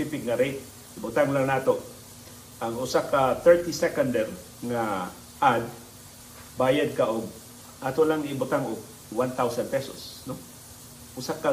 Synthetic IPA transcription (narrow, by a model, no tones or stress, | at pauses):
ɪfɪkŋaɾejt̪̚ | ʔɪbʊt̪aŋlaŋnaːt̪oʔ | ʔaŋʊsakat̪ɛɹt̪isɛkand̪ɛɾ | ŋa | ʔad̪̚ | baːjad̪̚kaʔʊɡ̚ | ʔaːt̪olaŋɪbʊt̪aŋʊɡ̚ | want̪awsan̚pɛso̰sno | ʔʊsaka